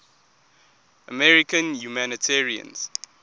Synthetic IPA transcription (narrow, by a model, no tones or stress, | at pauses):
əmɛɹikə̃njumanitʰɛɹiə̰̃ns